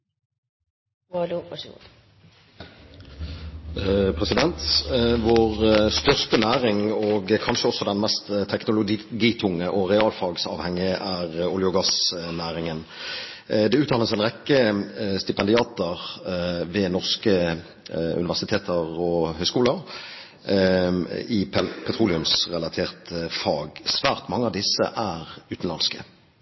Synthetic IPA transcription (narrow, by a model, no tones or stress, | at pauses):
luɑʂɡṵd̪ | pʰʁɛsɪd̪ɛnt̪ʋoːʁst̪œʁst̪ənæːʁɪŋɔɡkʰɑnʃəɔsːɔd̪ɛnmɛst̪t̪ʰːɛknʊlʊɡiɡiːt̪ʰʊŋːəʔɔʁɛɑːlfɑːɡsɑ̰ːʋhɛŋːɪæʁʊljʊɡɑsnæːʁɪŋən | d̪ɛʉːt̪ʰːɑːləsɛɪnʁɛkːəst̪ɪpɛnd̪ɪɑːt̪əʁʋɛnɔʁskə | ʉ̰nɪʋæʁsɪt̪ʰeːt̪ʰəʁɔhœʏskuːləʁ | ɪppʰɛt̪ʰʁuːlɪʉmsʁɛlɑt̪ʰeːʁt̪fɑːɡsʋæːʁt̪mɑŋːəɑʋd̪ɪsːə̰ʔæʁʉːt̪n̩lɑnskə̰